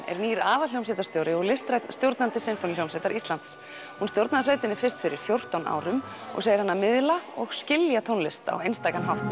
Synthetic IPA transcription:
ɛ̰ɾniːɾaːvaljowmsɛjt̪ast̪jowɾɪɔɣlɪst̪ɾajt̪nst̪jowɾt̪nant̪ɪsɪnfɾanlowmsɛjt̪aɾʔist̪lant̪s | hunst̪jowɾt̪naðasveːjt̪ɪnɪɾfɪrst̪fɪɾɪɾ̥fjowr̥t̪awna̰ːwɾʏm | ɔ̰ɣseːjɪ̥ɾhanːamɪðlaɔɣscɪljat̪ʰownlɪst̪a̰ɔ̰ejnst̪aːkanɦaft̪

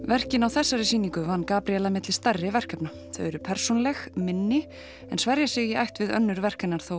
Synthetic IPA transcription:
vɛr̥cɪnawθɛsːaɾɪsiːniŋkʏvanːkaːpɾiɛlːamɪt̪lɪst̪arːɪvɛr̥kœpna | θœ̰ɥɛɾʏpʰɛɾ̥sownalɛxmɪnːɪ | ɛnsvaɾjasɪɣɪajht̪vɪðœ̰nːʏɾvɛr̥kɪnːaɾ̥θow

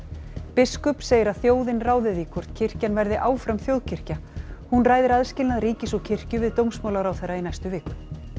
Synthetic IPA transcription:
pɪskʏpseːjɪɾaðθjoːwðɪnraːwðɪðikʰɔ̥t̪cʰɪr̥canvɛɾðɪʔaːwfɾamθjowðcʰɪr̥cahunraːjðɪɾaðscɪlnaðɾiːcɪsɔɣcʰɪr̥cʏvɪðt̪owmsmawlaɾawθɛrːainajst̪ʏvɪːk

